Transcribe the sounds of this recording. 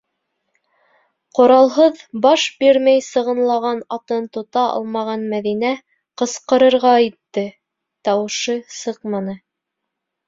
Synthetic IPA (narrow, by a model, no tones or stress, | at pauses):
qŏɾɑlˠɦɤðbɑʃbiɾmæjsɤ̆ʁɤ̆nlˠɑʁɑnɑt̪ɤnt̪ŏt̪ɑʔɑ̰lˠmɑʁɑnmæðinæ | qɤ̆sqɤ̆ɾɤ̆ɾʁɑit̪ːɘ | t̪ɑwɤ̆ʃɤsɤqmɑnɤ